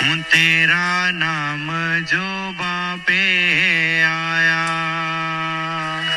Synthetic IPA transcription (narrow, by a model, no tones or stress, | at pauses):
ɦũt̪eːɾaːnaːmd͡ʒoː | bãː | peːɦaːjaː